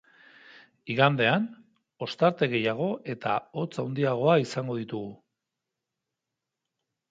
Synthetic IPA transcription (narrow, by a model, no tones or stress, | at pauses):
iɣand̪e̞an | o̞st̪aɾt̪e̞ɣe̞jaɣ̞o̞ʔe̞t̪a̰o̞t͡sawnd̪iaɣ̞o̞aisaŋɡo̞ðit̪uɣu